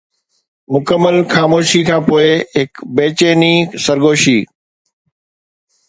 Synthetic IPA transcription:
mʊkəmːəlxaːmoːʃikʰãːpoːɪɦɪkbeːt͡ʃeːnisəɾɡoːʃiː

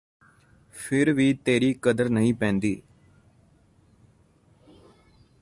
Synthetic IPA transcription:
fɪɾʋiːt̪eɾikɐd̪ɐɾnɐjpeːnd̪i

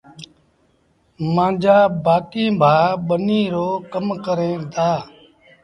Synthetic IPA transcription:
mãːd͡ʒʱaːbaːkĩːbʱaːɓəniːɾoːkəmkəɾẽːd̪aː

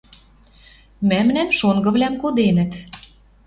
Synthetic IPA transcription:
mæmnæmʃoŋɡɤ̆βlæmkod̪enə̆t̪

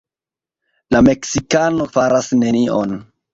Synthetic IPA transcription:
lame̞ksikano̞faɾasne̞niʔo̰n

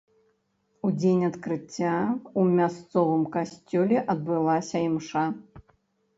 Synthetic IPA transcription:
ud͡zʲenʲɐt̪kɾɨt͡sʲːaumʲast̪sɔvɨmkasʲt͡sʲɔlʲɛʔɐd̪̚bɨlˠasʲɐimʂa

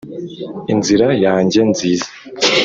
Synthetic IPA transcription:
inziɾajaːɲɟe̞nziːzḁ

